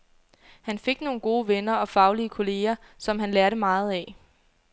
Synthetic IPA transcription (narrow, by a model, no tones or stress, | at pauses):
hænfe̝ɡ̥no̝ːn̩ɡ̥o̝ːʋenɐɒ̽fɑ̈ʊliəkʰo̝le̝ːɐ | sɒ̽mhænlæɐɾəmɑ̈ːð̞̩ˠɛ